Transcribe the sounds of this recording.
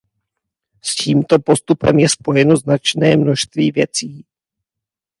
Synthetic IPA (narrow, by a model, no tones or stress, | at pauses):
sciːmt̪o̞po̞st̪upɛmjɛspo̞jɛno̞znat͡ʃnɛːmno̞ʃst̪viːvjɛt͡siː